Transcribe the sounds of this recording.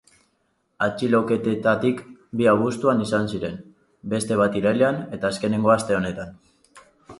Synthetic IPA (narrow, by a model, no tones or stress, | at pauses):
at͡ʃilo̞ke̞t̪et̪at̪ikbiaβust̪uanisansiɾe̞n | be̞st̪e̞βat̪iɾajleane̞t̪aːske̞ne̞ŋɡo̞ast̪e̞o̞ne̞t̪an